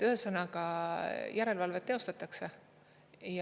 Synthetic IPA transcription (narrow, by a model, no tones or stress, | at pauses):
t̪yɦesɤnɑkɑjʔæɾe̞lvɑlvet̪ːe̞ost̪ɑt̪ːˑɑkse̞ | jɑ